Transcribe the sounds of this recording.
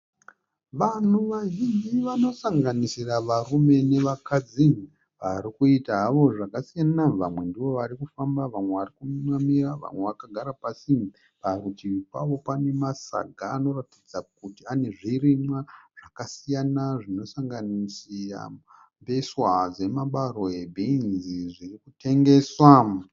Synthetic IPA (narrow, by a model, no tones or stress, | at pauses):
ʋan̤uʋaʒind͡ʒiʋano̞saŋɡanisiraʋarume̞ne̞ʋakad͡zin | ʋaɾikuitaɦaʋo̞ʐakasijanaʋamwe̞ndiʋo̞ʋaɾikufambaʋamwe̞ʋarikunumamiraʋa̰mwe̞ʋakaɡʱaɾapasim | paɾutiipa̰ʋo̞pane̞masa̰ɡʱaːno̞ratid͡zakutiane̞ʐirimwaʐ̥akasijanaʐino̞saŋɡanisia̰ | mbeswad͡ze̞maɓaɾo̞ebʱinziʐirikute̞ŋɡe̞swa